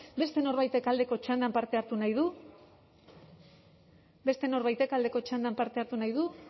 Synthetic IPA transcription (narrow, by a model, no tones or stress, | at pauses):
be̞st̪e̞no̞ɾβajt̪e̞kald̪e̞ko̞t͡ʃand̪ampaɾt̪e̞aɾt̪unajðu | be̞st̪e̞no̞ɾβajt̪e̞kald̪e̞ko̞t͡ʃand̪ampaɾt̪e̞aɾt̪unajðu